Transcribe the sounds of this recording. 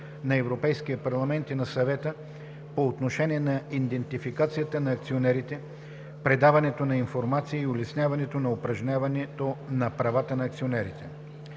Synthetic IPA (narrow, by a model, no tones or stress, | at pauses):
nɐɛvɾopɛjskijəpɐɾlˠɐmɛnt̪inɐsɐvɛt̪ə | poːt̪noʃɛniɛnɐind̪ɛnt̪ifikat̪sijət̪ənɐːk̚t̪sionɛɾit̪ɛ | pɾɛd̪avɐnɛt̪onɐinfoɾmat̪sijəiolɛsnʲjavɐnɛt̪onɐopɾɐʒnʲavɐnɛt̪onɐpɾɐvat̪ənɐːk̚t̪sionɛɾit̪ɛ